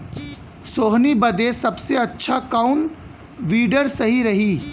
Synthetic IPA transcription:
soːɦnibɐd̪esɐbseɐtːʃʰakaʊn | ʋiːɖəɾsɐɦiɾɐɦiː

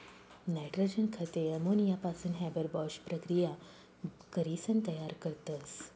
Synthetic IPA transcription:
naʈɾod͡ʑənkʰət̪eəmonijapasuːnɦɛbəɾbɔɕpɾəkɾija | kəɾisənt̪əjaɾkəɾt̪əs

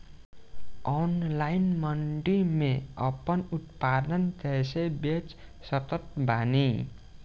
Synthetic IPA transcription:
ʌnlajnmʌɳɖimeʌpːʌnut̪̚pad̪nʌnt̪esebet͡s | sʌt̪ʌt̪̚bʱani

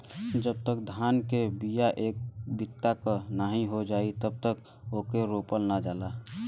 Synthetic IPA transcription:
d͡ʒəb̚t̪əkd̪ʱaːnkebijaʔeːk̚bɪt̪ːakənaɦĩɦod͡ʒaːit̪əb̚t̪ək | okeɾoːpəlnad͡ʒaːlaː

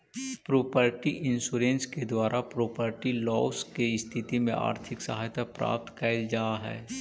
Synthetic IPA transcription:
pɾoːpəɾʈiʔɪ̃nsuːɾẽːnsked̪waːɾʔapɾoːpəɾʈilɔːskeɪst̪ʰɪt̪imẽa̰ːɾt̪ʰɪksəɦaːjt̪apɾa̰ːp̚t̪kaɪld͡ʒaːɦɛ̰ː

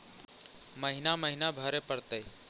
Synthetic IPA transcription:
məɦɪnaːməɦɪnaːbʱaːɾeːpəɾt̪eː

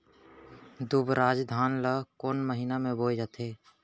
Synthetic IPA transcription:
d̪ubɾaːd͡ʒd̪ʱaːnləkoːnməɦiːnamẽboːjd͡ʒat̪ʰeː

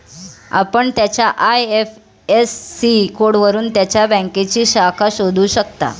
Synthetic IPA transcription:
a̰pəɳt̪jat͡ɕjaʔajef | esːikoɽʋəɾuːnt̪jat͡ɕjabə̃ŋket͡ɕiːɕakʰaɕod̪ʱuːɕəkt̪a̰

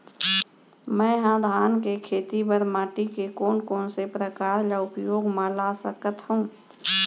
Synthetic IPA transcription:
mɛ̃ːɦãd̪ʱaːnkekʰeːt̪ibəɾmaːʈikekoːnkoːnsepɾəkaːɾd͡ʒaʊpjoːɡmãlasəkət̪hũ

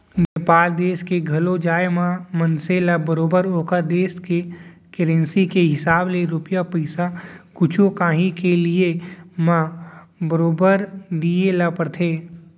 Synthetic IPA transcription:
neːpaːld̪eːskeɡʱɐlod͡ʒaːemãmənselabəɾoːbəɾoːkad̪eːskekɪɾẽnsikeɦɪsaːbleɾʊpjapɐɪsakʊt͡ʃʰõkãːɦĩkelɪemãbəɾoːbəɾd̪ielapəɾt̪ʰeː

